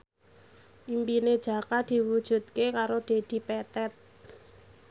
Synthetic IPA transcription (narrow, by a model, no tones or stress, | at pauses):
ʔimpined̥ʒ̥a̤kad̪̥i̤wud̥ʒ̥ṳt̪̚kekaɾod̪̥e̤d̪̥i̤pɛt̪ɛt̪̚